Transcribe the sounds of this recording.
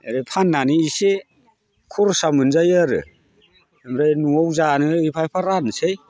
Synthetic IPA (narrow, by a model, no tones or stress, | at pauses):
eɾepʰanːaniise | kʰuɾsamɯnzajaɾɯ̰ | mɾajnuɔwzanɯipʰajpʰaɾanɯsej